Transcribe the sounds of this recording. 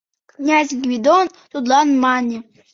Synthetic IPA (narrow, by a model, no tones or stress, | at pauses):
knʲazʲɡvʲid̪on | t̪ud̪lˠanmanʲi